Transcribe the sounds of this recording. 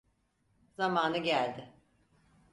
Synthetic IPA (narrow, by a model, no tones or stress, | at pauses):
zamaːnɯɟælʲd̪ɪ